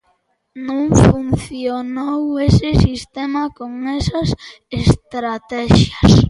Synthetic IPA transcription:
nõŋfunθjonowesɪsist̪ɛmɐkoŋɛsɐs | est̪ɾat̪ɛʃjɐs

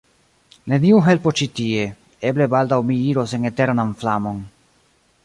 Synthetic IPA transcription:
ne̞niuɦe̞lpo̞t͡ʃitie̞ | e̞ble̞baldawmiiɾo̞se̞ne̞te̞ɾnanflamo̞n

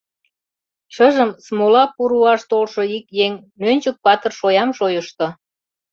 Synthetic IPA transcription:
ʃəʒəmsmolɑpuɾuɑʃt̪olʃoikjeŋ | nønʲt͡ɕək̚pɑt̪ərʃojɑmʃojəʃt̪o

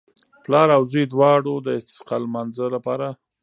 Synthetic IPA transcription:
plɑɾawzujd̪wɑɽod̪əɪst̪ɪ̥sqɑlmanzəlapɑɾa

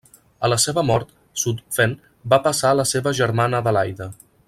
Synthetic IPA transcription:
ələseβəmɔɾt̪ | sut̪fɛn | bapəsaləseβəʒəɾmanəðəlajðə

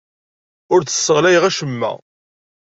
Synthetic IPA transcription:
ʊɾt͡sːə̥sːəʁlæjʁæʃəmːæ̰

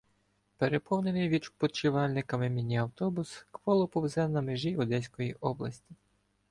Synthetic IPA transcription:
peɾepɔwnenɪjʋʲid̪pɔt͡ʃɪʋɑlʲnɪkɐmɪmʲinʲiɐwt̪ɔbʊskʋɔlˠɔpɔwzɛnɐmeʒiʊd̪ɛsʲkɔjiʔɔblˠɐsʲtʲi

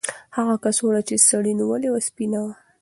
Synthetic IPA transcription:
haɣakasonat͡ʃesaɽiniwəlewaspinawa

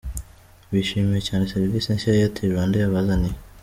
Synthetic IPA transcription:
βiʃimijecaːneseɾiviːsienʃaejatʰiwaːndejaβazani

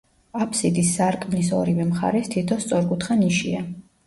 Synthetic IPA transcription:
apʰsid̪isːaɾkʼmnisɔ̰ɾivɛmχa̰ɾɛst̪ʰit̪ʰɔst̪sʼɔɾɡut̪χaniʃḭa

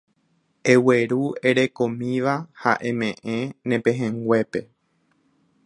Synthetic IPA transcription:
e̞we̞ɾue̞ɾe̞kõ̞mĩʋaha̰ʔẽ̞mẽ̞ʔẽnẽ̞pẽ̞ɦẽŋɡʷe̞pe̞

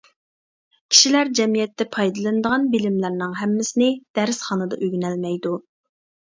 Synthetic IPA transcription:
kʲʰi̥ʃilæɾd͡ʒɛmijɛt̪ːɛpʰɑjd̪ɨlˠɨnd̪əʁɑnbɪlɪmlæɾnɨŋɦɛmːɪsɪnɪd̪̥æɾɪsχɑnɨd̪ɑ̰ʔøɡʲynælmɛjd̪u

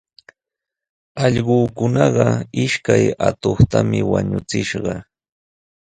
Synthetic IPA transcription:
ɑʎɢoːkʊnɑɢɑɪʃkajat̪oχt̪amɪwaɲʊt͡sɪʃɢɑ

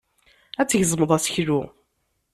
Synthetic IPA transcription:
æt͡sːəʝzˤməðˤæsçɾu

